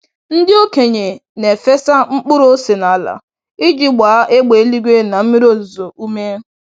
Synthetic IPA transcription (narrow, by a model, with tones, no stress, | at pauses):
n̩˦dɪ˦o˦ke˨ɲe˨ne˨fe˦sa˦ŋ͡m̩˦k͡pʊ˦ɾo˦se˨na˨a˨la̰˨ | i˦d͡ʒi˦ɡ͡ba˨˦ʔe˦ɡ͡be˨e˦li˦ɡʷe˦na˨m̩˦mi˦ɾo˦˨zu˨zo˨ʔu˦me˦